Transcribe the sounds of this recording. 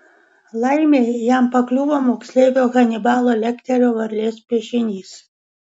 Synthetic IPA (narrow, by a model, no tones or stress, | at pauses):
lˠɐɪmʲeːjæmpɐklʲuːʋoːmoːksʲlʲeːʋʲoːɣɐnʲɪbɑːlˠoːlʲɛkʲt̪ʲɛɾʲoːʋɐɾʲlʲeːspʲiɛʃʲɪnʲiːs